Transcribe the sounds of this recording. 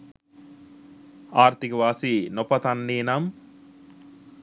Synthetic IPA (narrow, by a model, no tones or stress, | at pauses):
aːɾt̪ikəʋaːsinopɐt̪anːeːnam